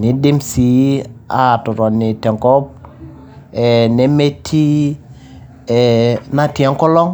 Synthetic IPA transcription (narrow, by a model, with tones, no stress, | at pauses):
nɪ˨dɪ˦msi˦a̰˦˨tʊ˨ɾɔ˨nɪ˨tɛ˨ŋkɔ˦p̚ | ɛ˨ne˦me˦tʰi˦ | ɛ˨na˦tjɛ˦ŋkɔ˦lɔ˦ŋ